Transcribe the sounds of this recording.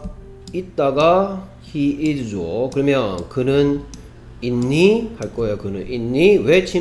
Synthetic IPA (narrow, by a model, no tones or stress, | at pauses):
it̚t͈aɡa | çiiɾd͡ʑokɯɾɯmjʌnkɯnɯn | inːihaɭk͈ʌjokɯnɯ̰ninːiwet͡ɕʰi